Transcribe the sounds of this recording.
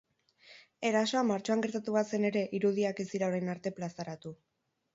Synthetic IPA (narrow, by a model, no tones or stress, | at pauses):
e̞ɾaso̞amaɾt͡ʃo̞aŋɡe̞ɾt̪at̪uβase̞ne̞ɾe̞ʔiɾuð̞iake̞zd̪iɾaoɾajnaɾt̪e̞plasaɾat̪u